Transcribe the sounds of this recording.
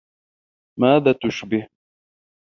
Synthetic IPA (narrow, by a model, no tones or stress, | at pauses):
maːðaːt̪ʊʃbɪh